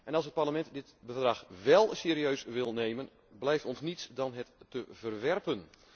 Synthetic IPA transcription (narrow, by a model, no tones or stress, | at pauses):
ʔɛnɑlˠsət̚parləmɛntdɪtbəvdraxʋɛlˠseːɾiøɥsʋɪlˠneːmən | blɛjftɔnsnitsdɑnɦətːəvərʋɛrpən